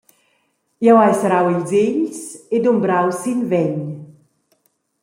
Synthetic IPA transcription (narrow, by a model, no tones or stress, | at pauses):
jawajsɾawilzeʎsed̪umbɾawsinvɛɲ